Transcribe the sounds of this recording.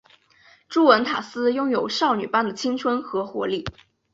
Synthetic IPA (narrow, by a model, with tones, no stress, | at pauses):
ʈ͡ʂu˥wə˧˥nt̪ʰa˨˩sɹ̩˥jʊ˥˧ŋjo˨˩ʊʂɑ˥˩ʊny˨˩pa˥˩nd̪ə˩t͡ɕʰi˥ŋt͡sʰwə˥nxɤ˧˥xwɔ˧˥li˥˩